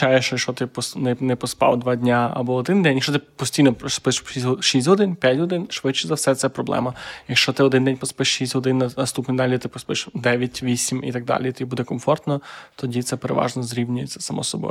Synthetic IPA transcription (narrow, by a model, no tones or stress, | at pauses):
t͡ʃajɛʃt͡ʃɔjɐkʃt͡ʃɔt̪ɪpɔsnɛnɛpɔspɑ̰wd̪ʋɑdʲnʲaɐ̰bɔːd̪ɪnd̪ɛnʲjɐkt͡ʃɔt̪ɪpɔsʲtʲijnɔpspɪʃiɔʃisʲtʲɦɔd̪ɪnpʲjatʲɦɔd̪ɪnʃʋɪt͡ʃɪzɐwsɛt̪sɛpɾɔblˠɛ̰mɐjɐkʃt͡ʃɔt̪ɪɔd̪ɪnd̪ɛnʲpɔspɪʃʃisʲtʲɦɔd̪ɪnːɐnɐst̪upnid̪alʲit̪ɪpɔspɪʃd̪ɛʋʲjɐtʲʋʲisʲimḭt̪ɐɡ̚d̪ɑ̰lʲit̪ɔibud̪ɛkɔmfɔrt̪nɔt̪ɔdʲit̪sɛpeɾḛʋɑ̰ʒnɔzɾʲiʋnʲʊjet͡sʲːɐ̥sɐmʔɔ̰sɔbɔ̰j